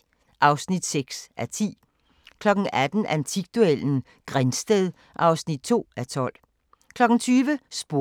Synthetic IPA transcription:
ʔɑ̈ʊsnid̥seɡ̥sʔæt͡sʰḭː | kʰlɒ̽ɡ̥n̩æd̥n̩ʔænt͡sʰiɡ̥̚d̥uel̰n̩ | ɡ̥ʁansd̥eðˠ | ʔɑ̈ʊsnid̥̚t͡sʰo̝̰ːæt͡sʰɒ̽l̰ | kʰlɒ̽ɡ̥ŋ̩t͡sʰyːʋəsb̥o̝

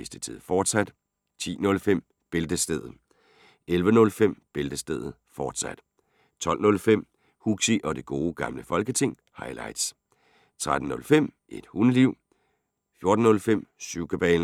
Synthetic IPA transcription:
esd̥ət͡sʰið̰ˠfɒːd̥sæd̥ | t͡sʰḭːnɔ̽lfem̰ | b̥e̝ld̥əsd̥eð̰̩ˠ | elʋənɔ̽lfem̰b̥e̝ld̥əsd̥eð̩ˠfɒːd̥sæd̥ | t͡sʰɒ̽l̰nɔ̽lfem̰ | huɡ̥siʔɒ̽d̥e̝ɡ̥o̝ːɡ̥ɑ̈mləfɒ̽lɡ̥ət͡sʰe̝ŋ̰ | hɑ̈ɪlɑ̈ɪd̥s | t͡sʰʁad̥n̩nɔ̽lfem̰ʔe̝d̥hun̩ˠliʊ̰ | fjo̝ɐd̥n̩ːɔ̽lfem̰syʊ̰ɡ̥əb̥ɛːl

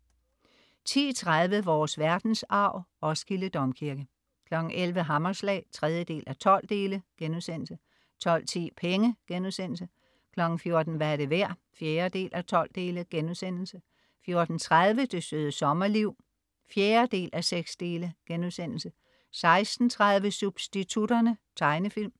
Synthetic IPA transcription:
t͡sʰḭːt͡sʰʁað̞ˠʋəʋɒːsʋæɐd̥n̩sɑ̈ʊ̰ɒ̽sɡ̥iləd̥ɒ̽mkʰiɐɡ̥ə | kʰlɒ̽ɡ̥n̩ʔelʋəɦɑmɐslɛ̰ːt͡sʰʁɛð̞ˠjəd̥e̝̰ːlʔæt͡sʰɒ̽l̰d̥e̝̰ːləɡ̥enuðˠsen̰l̩sə | t͡sʰɒ̽l̰t͡sʰḭːpʰeŋəɡ̥enuðˠsen̰l̩sə | kʰlɒ̽ɡ̥n̩fjo̝ɐd̥n̩ʋææɐde̝ʋæɐ̰ | fjeːɐd̥e̝̰ːlʔæt͡sʰɒ̽l̰d̥e̝ːləɡ̥enuðˠsen̰l̩sə | fjo̝ɐd̥n̩t͡sʰʁað̞ˠʋəd̥e̝søːð̞ˠəsɒ̽mɐliʊ̰ | fjeːɐd̥e̝̰ːlʔæseɡ̥sd̥e̝̰ːləɡ̥enuðˠsen̰l̩sə | sɑ̈ɪsd̥n̩t͡sʰʁað̞ˠʋəsub̥sd̥it͡sʰudɐnət͡sʰɑ̈ɪnəfil̰m

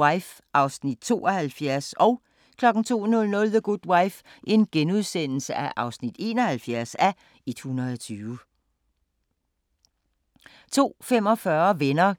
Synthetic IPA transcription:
aɪf | ʔɑ̈ʊsnid̥̚t͡sʰo̝̰ːʔɒhælfjæɐsɒ̽ʊ | kʰlɒ̽ɡ̥n̩t͡sʰo̝̰ːnɔ̽lnɔ̽lðəɡ̥ud̥wäɪf | ʔe̝nɡ̥enuðˠsen̰l̩səæʔɑ̈ʊsnid̥e̝̰ːnɒ̽hælfjæɐ̰sæ | id̥hunɐð̩ˠɒt͡sʰyːʊ | t͡sʰo̝̰ːfem̰ɒ̽fɶɐʋenɐ

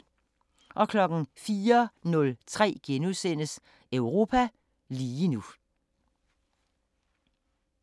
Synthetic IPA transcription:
ʔɒ̽kʰlɒ̽ɡ̥ŋ̩fiːɐnɔ̽lt͡sʰʁɛ̰ːɡ̥enusenəs | œʊʁo̝ːpʰæ | liːnu

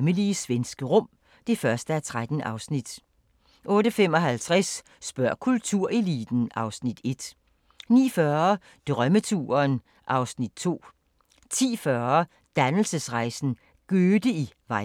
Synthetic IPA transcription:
məliəsʋensɡ̥əʁɔ̽m̰ | d̥e̝fɶɐsd̥əæt͡sʰʁad̥n̩ʔɑ̈ʊsnid̥ | ʔɔ̽ːɾəfem̰ɒ̽ɦælt͡sʰʁasː | b̥ɶɐ̰kʰult͡sʰuɐ̰ʔe̝lid̥n̩ɑ̈ʊsnid̥e̝d̥ | nḭːfɶːɐɐ | d̥ʁɶmət͡sʰṵːɐn | ʔɑ̈ʊsnid̥̚t͡sʰo̝̰ː | t͡sʰḭːfɶɐ | d̥ænl̩səsʁɑ̈ɪsn̩ | ɡ̥øːd̥əiʋɑ̈ɪ

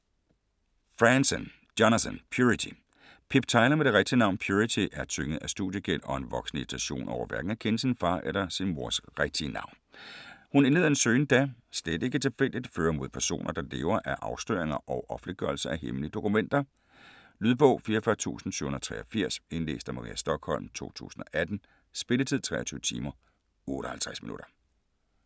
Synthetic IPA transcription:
fʁænsən | d̥onæsənpʰjuit͡sʰi | pʰib̥t͡sʰɑ̈ɪlɐmeɾ̥e̝ʁeɡ̥̚d̥iənɑ̈ʊ̰npʰjuʁit͡sʰiʔæɐt͡sʰøŋəð̩ˠæsd̥uðˠjəɡ̥el̰ɒ̽e̝nʋɒ̽ɡ̥sn̩id̥i̥t͡sʰæɕo̝̰ːnʔɒ̰ʊ̰ɐʋæɐɡ̥n̩ækʰensinfɑ̈ːʔelɐsinmo̝ɐsʁeɡ̥̚d̥iənɑ̈ʊ̰nhunenð̞̩ˠæensøːn̩d̥æsl̥ed̥e̝ɡ̥ət͡sʰe̝lfel̰d̥id̥føːɐmo̝ðˠpʰæɐso̝̰ːnʔɐd̥ɑ̈le̝ːʊɐʔæʔɑ̈ʊsd̥øːɐeŋɐʔɒ̽ʊʔɒ̽fn̩liɡ̥œɐl̩səæheməliəd̥o̝kʰumen̰d̥ɐ | lyðˠb̥ɔʊ̰fiːɐfɶɐt͡sʰṵːsn̩syːhonðɐɐt͡sʰʁɛːɐfiɐ̰se̝nle̝̰ːsd̥æmɑ̈ʁḭːæsd̥ɒ̽ɡ̥hɒ̽l̰mt͡sʰo̝̰ːt͡sʰṵːsn̩ɒ̽ʔæd̥n̩ | sb̥e̝lət͡sʰið̰ˠt͡sʰʁɛ̰ːɐt͡sʰyːʊt͡sʰḭːmɐ | ɔ̽ːɾ̥ɒhælt͡sʰʁasminṵɾ̥ɐ

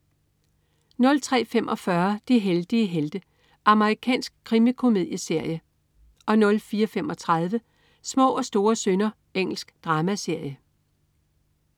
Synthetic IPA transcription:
nɔ̽lt͡sʰʁɛ̰ːfem̰ʔɒ̽fɶɐd̥iɦeld̥iəɦeld̥ə | ʔɑ̈məʁikʰɛ̰ːnsɡ̥̚kʰʁimikʰo̝me̝ðˠjəse̝ɐ̰jə | ɒ̽nɔ̽lfiːɐfemʔɒ̽t͡sʰʁað̞ˠʋə | smɔ̰̽ːɒ̽sd̥o̝ːɐsønɐ | eŋ̰l̩sɡ̥d̥ʁɑ̈ːmæse̝ɐ̰jə

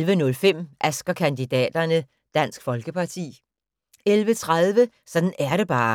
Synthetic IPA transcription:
lʋənɔ̽lfem̰ʔæsɡ̥ɐkʰænd̥id̥ɛ̰ːd̥ɐnə | d̥æn̰sɡ̥fɒ̽lɡ̥əpʰɑ̈t͡sʰḭː | elʋət͡sʰʁaðˠʋə | sɒ̽d̥n̩æɐɾ̥e̝b̥ɑ̈ː

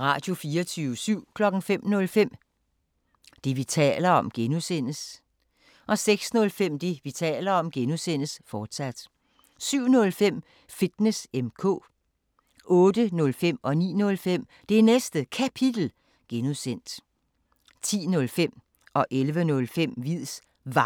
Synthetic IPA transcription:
ʁɑ̈ːd̥jo̝fiːɐt͡sʰyːʊəsyʊ̰kʰlɒ̽ɡ̥ŋ̩fem̰nɔ̽lfem̰ | d̥e̝ʋit͡sʰɛ̰ːlɐɒ̽mɡ̥enusen̰əs | ʔɒ̽seɡ̥snɔ̽lfem̰d̥e̝ʋit͡sʰɛ̰ːlɐɒ̽mɡ̥enusen̰əsfɒːd̥sæd̥ | syʊ̰nɔ̽lfem̰ | fid̥nesemkʰɔ̰̽ː | ɔ̽ːd̥ənɔ̽lfem̰ɒ̽nḭːnɔ̽lfem̰ | d̥e̝ænesd̥əkʰæpʰid̥l̩ | ɡ̥enusen̰d̥ | t͡sʰḭːnɔ̽lfem̰ | ɒ̽ʔelʋənɔ̽lfem̰ʋið̰ˠs | ʋɑ̈

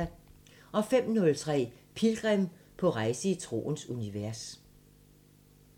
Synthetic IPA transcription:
æ | ʔɒ̽fem̰nɔ̽lt͡sʰʁɛ̰ː | pʰilɡ̥ʁɛm | pʰɒ̽ʁɑ̈ɪsəit͡sʰʁo̝̰ːnsuniʋæɐs

